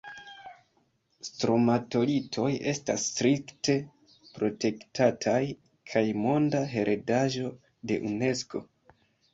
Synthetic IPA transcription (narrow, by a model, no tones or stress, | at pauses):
stɾo̞mato̞litʰo̞je̞sta̰stɾikte̞ | pɾo̞te̞ktʰatʰaj | kʰajmo̞ndaɦe̞ɾʔe̞daʒo̞ | de̞̰ʔune̞sko̞